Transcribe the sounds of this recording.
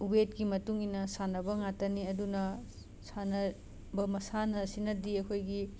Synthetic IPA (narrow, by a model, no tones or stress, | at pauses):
ubet̚kimɐtuŋinɐsanɐbɐŋatɐniɐdunɐ | sanɐ | bɐmɐsanɐsinɐdiɐkʰojɡi